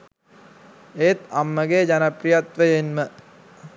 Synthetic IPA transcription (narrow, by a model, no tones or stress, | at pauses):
eːt̪amːəɡed͡ʑanɐprijat̪ʋəjenmə